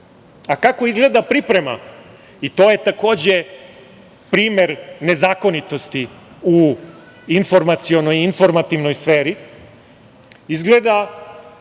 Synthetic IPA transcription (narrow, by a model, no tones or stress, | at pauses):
akako̞izɡle̞d̪apɾipɾe̞ma̰ | it̪o̞ːjet̪ako̞ːd͡ʑe | pɾiːmeɾne̞zaːko̞nit̪o̞st̪iu | info̞ɾmat̪sio̞no̞jinfo̞ɾmat̪iʋno̞jsfeːɾi | izɡle̞d̪a